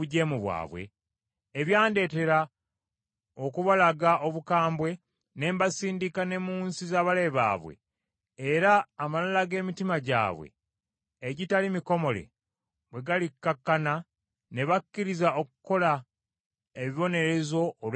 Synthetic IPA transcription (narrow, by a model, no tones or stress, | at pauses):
uɟe̞ːmuβwa̰ːβwḛː | βjaːnde̞ːte̞ɾa | okuβalaɡaʔo̞βukaːmbwe̞ | ne̞ːmbasiːndikane̞muːnsizaːβale̞βa̰ːβwḛː | ɾaːmalalaɡe̞ːmitimaɟa̰ːβwḛː | ɟitalimiko̞mo̞le̞̰ | βwe̞ɡalikːakːana | ne̞βakːiɾizaokuko̞la | eβiβo̞ne̞ɾe̞zo̞ːl